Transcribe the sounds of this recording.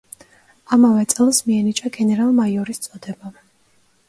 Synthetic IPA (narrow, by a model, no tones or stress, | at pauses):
amavɛt̪sʼɛlˠsmiɛnit͡ʃʼaɡɛnɛɾalˠmaiɔɾist̪sʼɔd̪ɛba